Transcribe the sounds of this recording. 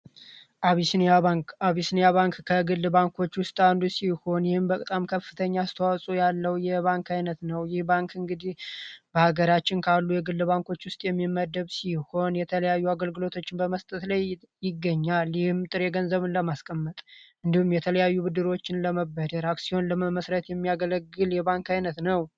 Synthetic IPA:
ʔaβisnaaβisnjaβaŋkkʰːəɡɨlbaŋko̞t͡ʃːwʊst̪ʼand̪usiho̞njɪhɨmbət̪ʼamkʰəfːɨt̪ʰəɲːast̪ʰəwasʼujalːəwjɛβaŋkʰajnət̪nəwjɪhbaŋkɨŋɡɨd̪ihbəhaɡəɾat͡ʃːɪnkʰalːujɛɡɨlːɨbaŋko̞t͡ʃːwʊst̪ʼjɛmːimːəd̪ːəβsiho̞njɛt̪ʰələjajːuaɡəlɡɨlo̞t̪ʰo̞t͡ʃːɪnbəməst̪ʼət̪laj | jɪɡːəɲːaljɪhɨmt̪ʼɨɾeɡənzəβɨnləmaskʼəmːət̪ʼʔɨnd̪ihumjɛt̪ʰələjajːubɨd̪ɨɾo̞t͡ʃːɪnləməbːəd̪əɾaksiho̞nləməsɾət̪jɛmːijaɡələɡːɨljɛβaŋkajnət̪nəw

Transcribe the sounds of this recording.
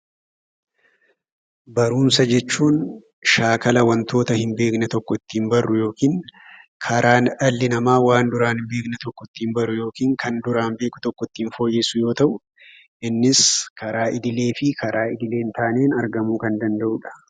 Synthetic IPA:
bɐɾuːnsɐd͡ʒɛt͡ʃːuːn | ʃaːkɐlɐwɐnt̪o̞ːt̪ɐhɪmbe̞ːknɛt̪ɔkːɔt̪ːiːmbɐrːʊjo̞ːkiːŋkʰɐɾaːnᶑɐlːɪnɐmaːwaːnd̪ʊɾaːnɪmbe̞ːknɛt̪ɔkːɔt̪ːɪːmbɐrʊjo̞ːkiːŋkɐnd̪ʊɾaːmbe̞ːkʊ̥t̪ɔkːɔt̪ːiːnfo̞ːjːesʊjo̞ːt̪ɐʔʊ | ʔɪnːɪskɐɾaːʔɪd̪ɪle̞ːfɪkʰɐɾʔaːɪd̪ɪle̞ːnt̪aːneːnɐɾɡɐmuːkɐnd̪ɐnd̪ɐʔʊᶑɐ̥

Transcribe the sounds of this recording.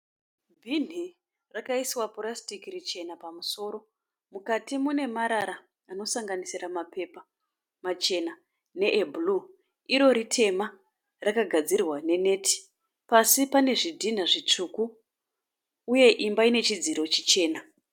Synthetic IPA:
bʱin̤i | rakaiswaporastikirit͡ʃe̞napamuso̞ːɾo̞ | mukatimune̞maɾaɾaː | no̞saŋɡanisiramape̞pa | mat͡ʃe̞na | ne̞ʔebʱlu | iɾo̞ɾitʰe̞ma | rakaɡʱad͡zirwane̞ne̞tʰi̥ | pasipane̞ʐidʱin̤aʐit͡ʂuku | je̞ʔimbaine̞t͡ʃid͡ziɾo̞t͡ʃit͡ʃe̞ːna

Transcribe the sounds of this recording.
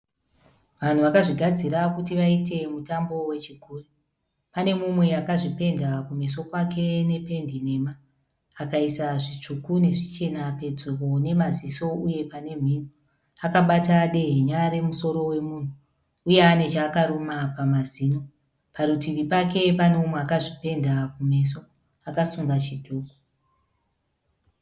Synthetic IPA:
ʋan̤uʋakaʐiɡʱad͡ziɾakutiʋaite̞mutambo̞we̞t͡ʃiɡʱuːre | pane̞mumwe̞akaʐipe̞ndakumis̬o̞kwakʰe̞ne̞pe̞ndine̞ːmaː | kaisaʐit͡ʂukune̞ʐit͡ʃe̞nape̞d͡zukone̞maziso̞uje̞pane̞m̤ino | akaɓataɗe̞ɦeɲaɾe̞muso̞ɾo̞we̞muːn̤uː | je̞ane̞t͡ʃaːkaɾumapamaziːno | paɾutimipake̞pane̞mumweakaʐipe̞ndakume̞s̬o̞ | akasuŋɡat͡ʃidʱuːko̥

